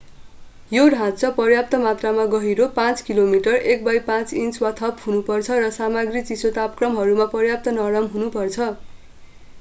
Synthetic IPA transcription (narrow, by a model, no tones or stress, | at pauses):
joɽʱãt͡sʌpʌrjap̚t̪ʌmat̪ramaɡʌɦiɾopãt͡skilomiʈʌrek̚bʌjpãt͡sint͡swat̪ʰʌphunupʌrt͡sʰʌrʌsamaɡrit͡sisot̪apkrʌmɦʌɾumapʌrjap̚t̪ʌnʌɾʌmɦunupʌrt͡sʰʌ